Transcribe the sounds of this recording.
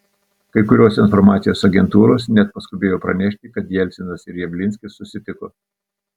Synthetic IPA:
kɐɪkʊɾʲoːsɪnfɔɾmɑːt̪sʲɪjoːsɐɡʲɛnt̪uːɾoːsnʲɛt̪̚pɐskʊbʲeːjoːpɾɐnʲɛʃʲt̪ʲɪkɐt̪jɛlʲsʲɪnɐsɪɾjɛʋʲlʲɪnʲsʲkʲɪsːʊsʲɪt̪ʲɪkoː

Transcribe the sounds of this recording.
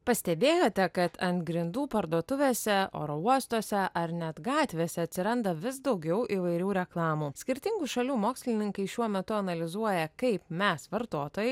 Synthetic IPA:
pɐsʲt̪ʲɛbʲeːjoːt̪ʲɛkɐt̪ʰɐnt̪ɡɾʲɪnd̪uːpɐɾd̪uɔt̪ʊʋʲeːsʲɛo̰ːɾouɔst̪oːsʲɛʔɐɾnʲɛt̪ɡɑːt̪ʲʋʲeːsʲɛɐt̪ʲsʲɪɾɐnd̪ɐʋʲɪsd̪ɒʊɡʲɛʊʔiʋɐɪɾʲuːɾʲɛklˠɑːmuːsʲkʲɪɾʲt̪ʲɪŋɡuʃɐlʲuːmoːksʲlʲɪnʲɪŋkɐɪʃʲuɔmʲɛt̪ʊɐnɐlʲɪzuɔjɛkɐɪpmʲɛsʋɐɾt̪oːt̪oːjɛɪ

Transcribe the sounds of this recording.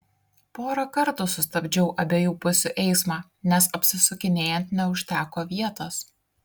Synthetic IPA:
poːɾɐkɐɾt̪ʊsʊsʲt̪ɐbʲd͡ʒʲɛʊʔɐbʲeːjuːpʊsʲuʔɛɪsmɑː | nʲɛsɐpʲsʲɪsʊkʲɪnʲeːjɛnʲt̪nʲɛʊʃʲt̪ʲæːkoːʋʲiɛt̪oːs

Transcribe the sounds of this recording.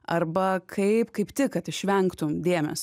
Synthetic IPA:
ɐrbɐkʰɐɪpkɐɪpt̪ʲɪkɐt̪ɪʃʲʋʲɛŋkt̪ʊmd̪ʲeɛmʲɛ̰s

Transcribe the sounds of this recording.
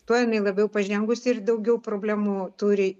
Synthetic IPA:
t̪uɔjɪnɐɪlˠɐbʲɛʊpɐʒʲɛŋɡʊsʲɪɪrd̪ɐʊɡʲɛʊpɾoːbʲlʲæːmut̪uɾʲɪ

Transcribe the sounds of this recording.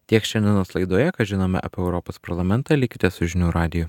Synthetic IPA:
t̪ʲiɛkʃʲɛnʲd̪ʲɪɛnoːslˠɐɪd̪oːjɛkɐʒʲɪnoːmʲɛ̰ʔɐ̰pʲɛʊɾɔpoːspɐɾlˠɐmʲɛnt̪ɑːlʲɪkʲɪt̪ʲeːssʊʒʲɪnʲuːɾɑːd̪ʲɪjʊ

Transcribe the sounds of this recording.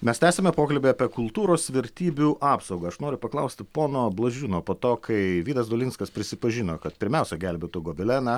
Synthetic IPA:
mʲɛst̪ʲæːsʲɛmʲɛpoːkɐlʲbʲeːpʲiɛkʊlˠt̪uːɾoːsʋʲɛɾʲt̪ʲiːbʲuʔɑːpsɐʊɡɐɐʃnoːɾʲʊpɐklˠɐʊsʲt̪ʲɪpoːnoːblˠɐʒʲuːnoːpoːt̪oːkʰɐɪʋʲiːd̪ɐsd̪olʲinskɐspʲɾʲɪsʲɪpɐʒʲɪnoːkɐt̪pʲɪɾʲmʲɛʊsʲɛɡʲælʲbʲeːt̪uɡoːbʲɪlʲænɐ

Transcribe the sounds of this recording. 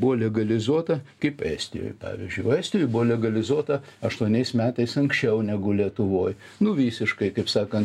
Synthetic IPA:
bʊʋoːlʲɛɡɐlʲɪzuɔt̪ɐkɐɪpæ̰ːsʲt̪ʲɪ̰jo̰ːjpɑ̰ːʋʲḭzʲd͡ʒʲʊɪæːsʲt̪ʲɪjoːjbʊʋoːlʲɛɡɐlʲɪzuɔt̪ɐ | ɐʃt̪uɔnʲɛɪsmʲæːt̪ɐɪsɐŋksʲt͡ʃʲɛʊnʲæɡʊlʲiɛt̪ʊʋoːj | nʊʋʲiːsʲɪʃkɐɪkɐɪpsɑːkɐnt̪

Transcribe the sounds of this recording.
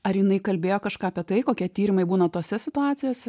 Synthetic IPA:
ɐɾjɪnɐɪkɐlʲbʲeːjoːkɐʃkɑːɐpʲiɛt̪ɐɪkoːkʲiɛt̪ʲiːɾʲɪmɐɪbuːnɐt̪oːsʲɛsʲɪt̪ʊaːt̪t͡s̪ʲɪjoːsʲɛ

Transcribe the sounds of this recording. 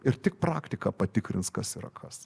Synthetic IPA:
ɪrt̪ʲɪk̚pɾɑːkt̪ʲɪkɑpɐt̪ʲɪkɾʲɪnskɐsiɾɐ̰kʰɐs

